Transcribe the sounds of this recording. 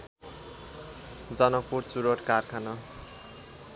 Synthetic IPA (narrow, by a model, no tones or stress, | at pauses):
d͡zʌnʌk̚puɾt͡suɾoʈkarkʰanʌ